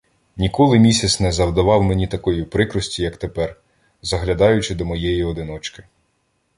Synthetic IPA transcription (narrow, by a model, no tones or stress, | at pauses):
nʲikɔlˠɪmʲisʲɐt̪snɛzɐwd̪ɐʋɑwmenʲit̪ɐkɔjipɾɪkɾɔsʲtʲijɐkt̪epɛr | zɐɦlʲɐd̪ɑjʊt͡ʃɪd̪ɔmɔjɛjiɔd̪ɪnɔt͡ʃkɪ